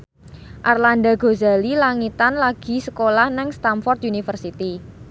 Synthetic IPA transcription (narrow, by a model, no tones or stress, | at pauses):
ʔarland̪a̤ɡo̤zalilaŋit̪anlaɡ̥i̤səkolahnɛŋst̪amfɔrt̪̚unifərsit̪i